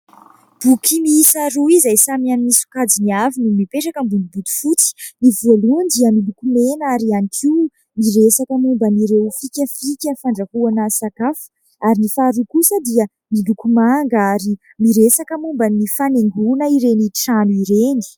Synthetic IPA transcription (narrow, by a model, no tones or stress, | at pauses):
b̥ukʰimiːsaɾuizajsamianmisu̥kad͡ziniavinimipeʈ͡ʂakəmbunibud̪u̥fut͡si̥nivalund̪iəmilukumenaɾianikiw | miɾesakəmumbaniɾewfikʲəfikʲəfaɳɖ͡ʐahuanasakafə̥ | aɾinifaɾukusəd̪iə | milukumaŋɡaɾi | miɾesakəmumbanifaneŋɡunəiɾeniʈ͡ʂanuiɾeni̥